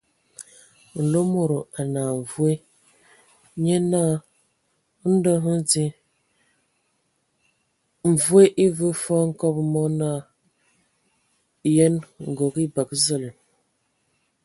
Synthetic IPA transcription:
n̩˨lo˦mo˨ɾo˨a˨na˨ɱ˨vu˦e˦ | ɲe˦na˦ | n̩˦də˦ɦə˦d͡zi˦ | ɱ̩˨vu˦e˦ʔi˦və˦fɔ˦ŋ̩˦kɔ˦bmɔ˦na˦˨ | je˦nŋ̩˨ɡo˨ɡi˦ba˨kzə˦li˨m

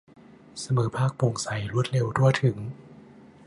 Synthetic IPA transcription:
sa˧mɤː˩˦pʰaː˥˩k̚pu˨˩ŋsa˨˩˦jɾu˦˥t̪̚le˧wt̪ʰu˥˩ət̪ʰɯ˩˦ŋ

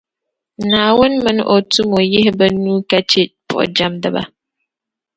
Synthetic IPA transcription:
naː˨wʊ˦nmɨ̃˨nʔɔ˨tu˦mo˨jɪ˦hba˦nũː˦ka˦t͡ʃe˦pʰɔ̰˨d͡ʒa˦mdɨ˦ba̰˦

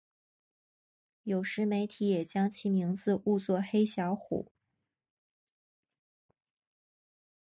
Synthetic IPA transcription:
jo˨˩ʊʂɻ̩˧˥me˧˥ɪt̪ʰi˧˥jɛ˨˩t͡ɕjɑ˥ŋt͡ɕʰi˧˥mi˧˥ŋt͡sɹ̩˧u˥˧t͡swɔ˥˩xe˥ɪɕjɑ˧˥ʊxṵ˨˩˦

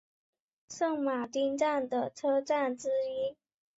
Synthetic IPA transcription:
ʂɤ˥˩ŋma˨˩t̪i˥nʈ͡ʂa˥˩nd̪ə˩ʈ͡ʂʰɤ˥ʈ͡ʂa˥˩nʈ͡ʂɻ̩˥i˥

